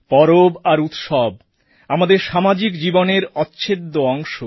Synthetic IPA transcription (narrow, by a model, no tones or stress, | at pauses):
pɔɾobaɾut̪ʃɔb̚ | amad̪eɾʃamad͡ʑikd͡ʑiboneɾɔtːɕʰed̪ːoɔŋʃo